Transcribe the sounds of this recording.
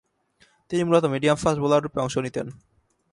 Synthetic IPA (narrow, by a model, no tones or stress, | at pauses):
t̪inimulot̪omiɖiamfasbolaɾɾupeɔŋʃonit̪en